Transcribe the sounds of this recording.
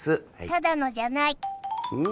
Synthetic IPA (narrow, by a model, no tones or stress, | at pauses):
sɨt̪ad̪ano̞ʑanai